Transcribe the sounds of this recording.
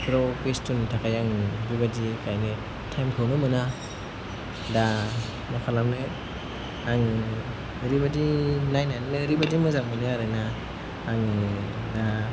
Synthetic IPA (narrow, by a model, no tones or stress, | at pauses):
pʰɾɔkestuntʰakʰajaŋbibadikajnɯ | tʰajmkʰawnɯmɯna | da | nakʰalamnɯ | aŋ | ɾibadinajnajnnɯɾibadimɯzaŋmɯnɯaɾɯnaː | ŋda